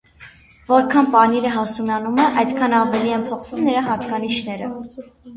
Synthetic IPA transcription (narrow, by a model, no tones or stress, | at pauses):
vɔɾkʰɑnpɑniɾəɦɑsunɑnumɛʔɑjd̪kʰɑnɑvɛliɛnpʰɔχvumnəɾɑɦɑt̪kɑniʃnɛɾə